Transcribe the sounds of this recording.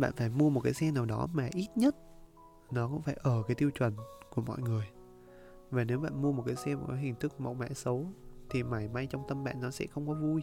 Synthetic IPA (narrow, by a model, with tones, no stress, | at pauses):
ɓa̰ː˧˨nfaː˧˩jmu˧əmo˨˩t̚kaː˨˦jsɛ˧naː˨˩wɗɔ˨˦maː˨˩ʔi˦˥t̚ɲə˦˥t̚ | nɔ˨˦kʊ̰˧˥ŋ͡mfaː˧˩jʔəː˧˩kaː˨˦jt̪i˧əwt͡ɕwə˨˩nku˧˩əmɔ̰˧˨jŋɨ˨˩əj | vaː˨˩ne˨˦wɓa̰ː˧˨nmu˧əmo˨˩t̚kaː˨˦jsɛ˧mo˨˩t̚kaː˨˦ɦï˨˩ŋ̟t̪ɨ˦˥k̚ku˧˩ma̰˨˩wma̰ː˧˥sə˨˦wt̪ʰi˨˩ma˨˩jma˧jt͡ɕɔ˧wŋ͡mt̪ə˧mɓa̰ː˧˨nːɔ˨˦sɛ̰˧˥xə˧wŋ͡mkɔ˨˦vu˧